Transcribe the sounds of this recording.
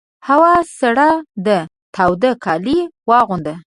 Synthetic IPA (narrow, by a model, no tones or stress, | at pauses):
hawɑsaɽad̪ə | t̪ʰawd̪əkʰɑliwɑɣund̪ə